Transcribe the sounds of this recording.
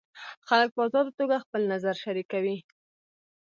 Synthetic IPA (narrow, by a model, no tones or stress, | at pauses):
xalək̚pəɑzɑd̪ot̪oɡaxpəlnazaɾʃaɾikawi